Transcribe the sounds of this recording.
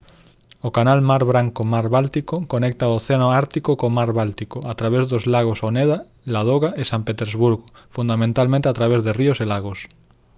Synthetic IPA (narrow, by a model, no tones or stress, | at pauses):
okanalmaɾβɾaŋkomaɾβalt̪ikokonɛk̚t̪aooθeanoaɾt̪ikokomaɾβalt̪ikoat̪ɾaβɛzðozlaɣ̞osonɛða | lað̞oɣaʔesampet̪eɾzβuɾɣo | fund̪amẽnt̪almẽnt̪eat̪ɾaβezðerioselaɣos